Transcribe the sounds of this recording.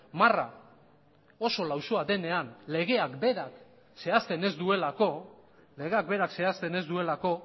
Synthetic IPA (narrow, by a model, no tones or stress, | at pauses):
mara̰ | o̞so̞lawso̞ade̞ne̞anle̞ɣ̞e̞akbe̞ɾak | se̞ast̪e̞ne̞zd̪ue̞lako̞ | le̞ɣe̞ak̚be̞ɾakse̞ast̪e̞ne̞zd̪ue̞lako̞